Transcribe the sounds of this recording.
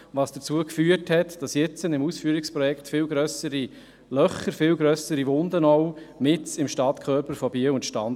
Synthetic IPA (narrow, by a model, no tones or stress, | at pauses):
vɑːsd̥ət͡suəkfyːəthɛtd̥ɑsjɪt͡sənɪmuːsfyːɾɪkspɾɔjɛkχtfɪlɡɾœsəɾi | lœχəɾfɪlɡɾœsəɾiʋʊndənɔʊmɪt͡sɪmʃtɑtkʰχœːɾpəɾfɔbiʊntʃtɑn